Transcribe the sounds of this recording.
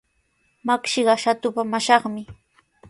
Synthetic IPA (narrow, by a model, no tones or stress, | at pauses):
makʃɪɢɑʃat̪ʊpamaʃɑχmɪ